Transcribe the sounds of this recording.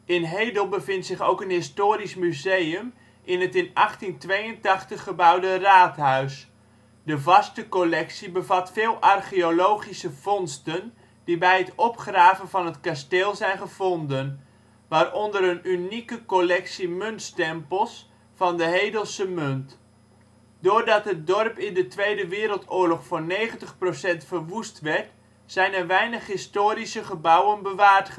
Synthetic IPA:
ɪnɦejdəlˠbəvɪntsɪχowkənɦɪstoːɾismyzejəm | ʔɪnɦətɪnɑχtintʋejəntɑχtəχːəbɑwdəraːtɦœɥs | dəvɑstəkolɛksibəvɑtfɪːlˠʔɑrχiolowχisəv̥ɔnstən | dibɛjɦətɔpχraːvənvɑnɦətkasteːlˠzɛjnχəv̥ɔndən | ʋaːrɔndəɾənynikəkolɛksimɵntstɛmpəlˠs | fɑndəɦejdəlˠsəmønt | doːɹdɑtɦət̚dɔrpɪndətʋejdəʋɪːɾəlˠtʊːɹlɔχfʊːnejχəntəχprosɛntfərʋustʋɛɹt | sɛjnərʋɛjnəχɦɪstoːɾisəχəbʌwənbəʋaːɹtχə

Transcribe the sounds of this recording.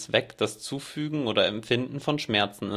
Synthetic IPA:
v̥ɛkd̥ast͡suːfyːɡŋ̩oːɾɐɛmpfɪndn̩fɔnʃmɛɐt͡sn̩ɪ

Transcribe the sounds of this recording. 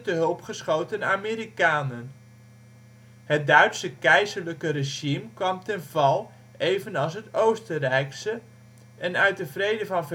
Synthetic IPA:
dəɦɵlˠpχəsχowtənaːmiːɾikaːnən | hət̚dœɥtsəkɛjzərləkəreʒimkʋɑmtɛnvɑlˠ | ejvənɑlˠs̬ɦətowstərɛjksə | ʔɛnœɥt̚dəvrejdəvɑnvə

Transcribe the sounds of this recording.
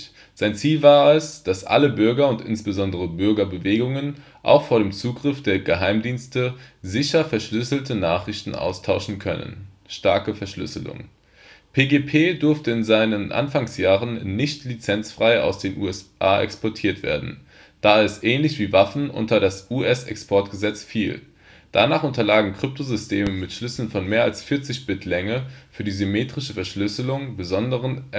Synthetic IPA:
z̥aɪnt͡siːlvaːɐɛsd̥asʔa̰ləbʏɐɡɐʊntʔɪ̰nsb̥əzɔndəʁ̞əbʏɐɡɐbəveːɡʊŋən | ʔa̰ʊxfoːɐɾeːmt͡suːɡʁɪfd̥eːɐɡəɦaɪmdiːnstəzɪçɐfɛɐʃlʏsl̩tənaːχʁ̥ɪçtn̩ʔa̰ʊstʰaʊʃn̩kʰœ̰nə̰n | ʃtaɐkəfɛɐʃlʏ̰səlʊ̰ŋ | pʰeːɡeːpʰeːdʏɐftəɪnzaɪnənʔa̰nfaŋsjaːʁənːɪçtlit͡sɛnt͡sfʁ̥aɪa̰ʊsd̥eːnʔṵːɛsʔaːʔɛ̰kspʰɔɐtʰiːɐtv̥ḛːɐdn̩ | d̥aːɛsʔɛːnlɪçv̥iːvafn̩ʔʊ̰ntɐdasuɛsɛ̰kspʰɔɐtɡ̥əzɛt͡sfiːl | d̥anaːχʊntɐlaːɡŋ̩kʁ̥ʏp̚tʰozʏstʰeːməmɪtʃlʏsl̩nfɔnmeːɐalsfɪɐt͡sɪçb̥ɪtʰlɛŋəfyːɐdiːzymeːtʁ̥ɪʃəfɛɐʃlʏsəlʊŋbəzɔndəʁ̞ən

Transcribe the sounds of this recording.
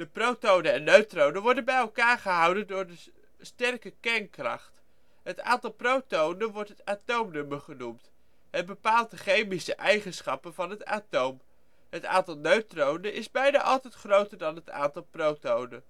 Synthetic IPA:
d̥əprowtownəɛnːøɥtrownəʋɔɹdənbɛjɛlˠkaːɹχəɦʌwdəndʊːɹdə | stɛrkəkɛrnkrɑ̰χt | ɦəta̰ːntɑlˠprowtownənʋɔɹtɦətaːtowmnɵməɹχənumt | ɦət̚bəpaːlˠt̚dəχejmisəʔɛjχənsχɑpənvɑnɦəta̰ːtowm | ɦəta̰ːntɑlˠnøɥtrownənʔɪzbɛjnaːʔɑlˠtɛjtχrowtəɹdɑnɦəta̰ːntɑlˠprowtownə̰

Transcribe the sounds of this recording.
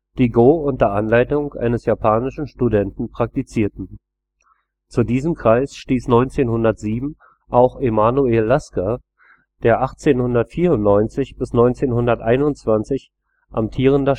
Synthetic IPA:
d̥iːɡoːʊnt̚d̥eɐʔanlaɪtʊŋʔa̰ɪnəsjapʰaːnɪʃn̩ʃtudɛntn̩pʁ̥ak̚tit͡siːɐtn̩ | t͡sudiːzəmkʁ̥aɪsʃtiːsnɔʏnt͡seːnhʊndɐtz̥iːbm̩ | ʔaʊxemaːnueːlːaskɐ | d̥eːɐʔaχt͡seːnhʊndɐtfiːɐʊntnɔʏnt͡sɪçb̥ɪsnɔʏnt͡seːnhʊndɐtʔaɪnʊnt͡sv̥ant͡sɪç | ʔa̰mtʰiːʁ̞əndɐ

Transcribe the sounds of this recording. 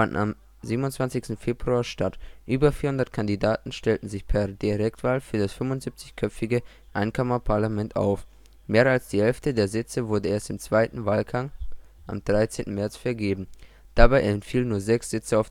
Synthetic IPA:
fandn̩a̰m | ziːbmʊntt͡sv̥ant͡sɪçstn̩feːbʁuaːʃtatʔyːbɐfiːɐhʊndɐtkʰandidaːtn̩ʃtɛltn̩zɪçpʰɛɐdiʁɛktv̥aːlfyːɐdasfʏmvʊntz̥ip̚t͡sɪçkʰœpp͡fɪɡə | ʔaɪnkʰɔmɐpʰaɐlamɛntʔa̰ʊf | meːɐalsd̥iːhɛlftədeːɐzɪt͡səvʊɐdəʔeːɐstɪmt͡sv̥aɪtn̩vaːlɡaŋ | ʔa̰md̥ʁaɪt͡seːntn̩mɛɐt͡sfɛɐɡeːbm̩ | d̥abaɪɛntfiːlənːuːɐzɛksz̥ɪt͡səaʊf

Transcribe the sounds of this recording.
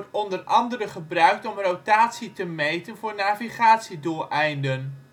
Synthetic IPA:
tɔndərʔɑndəɾəχəbrœɥk̚tɔmrowtaːtsitəmejtənvʊːɹnaːviχaːtsiduːlʔɛjndən

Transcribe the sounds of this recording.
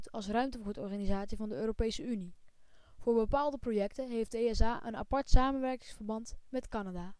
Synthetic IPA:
tɑlˠsrœɥmtəvutɔɹχaːnizaːtsivɑndəøːropejsəyni | v̥ʊːɹbəpaːlˠdəprojɛktəɦejfdəeɛsaːʔə̰na̰pɑɹtsaːmənʋɛɹkɪŋsfəɹbɑntmɛtkɑnadaː

